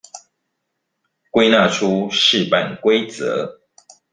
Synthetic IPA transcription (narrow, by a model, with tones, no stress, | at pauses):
kwe˥˦ɪna˥˨ʈ͡ʂʰu˦ʂɻ̩˥˨pa˨nkwe˦ɪt͡sə̰˨˦